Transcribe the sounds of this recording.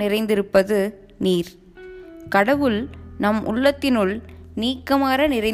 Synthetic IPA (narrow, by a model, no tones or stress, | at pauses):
ɪrɐɪnd̪ɪɾɯpːɐðɯ | niːɾ | kɐɽɐʋɯlnɐmʔʊ̰ɭːɐt̪ːɪnɯɭniːkːɐmaːɾɐnɪrɐɪ